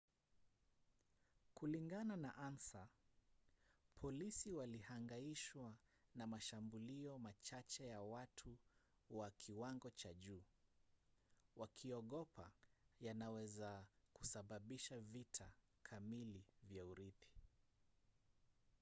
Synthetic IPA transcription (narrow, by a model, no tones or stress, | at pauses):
kuliŋɡananaʔansa | pʰɔlisiwalihaŋɡaiʃwanamaʃambuliɔmat͡ʃat͡ʃɛjawatʰu | wakʰiwaŋɡɔt͡ʃaʄuː | wakʰiɔɠɔpʰajanawɛzakusaɓaɓiʃavitʰa | kʰamilivjauɾiθi̥